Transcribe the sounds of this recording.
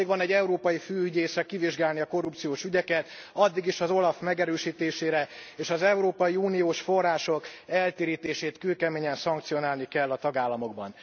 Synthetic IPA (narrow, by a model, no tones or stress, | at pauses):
ɡʋɒnɛɟːɛuɾoːpɒjifyːyɟeːsɛkiviʒɡaːlniɒko̞rːupt̪sijoːʃyɟɛkɛt̪ | ɒd̪ːiɡiʃɒzo̞lɒfmɛɡɛɾøːʃiːt̪eːʃeːɾɛeːʃɒzɛuɾoːpɒjiuːnijoːʃfo̞rːaːʃo̞kɛlt̪eːɾiːt̪eːʃeːt̪kylkɛmeːɲɛnsɒŋkt̪sijo̞naːlnikɛlːɒt̪ɒɡaːlːɒmo̞ɡ̚bɒ̰n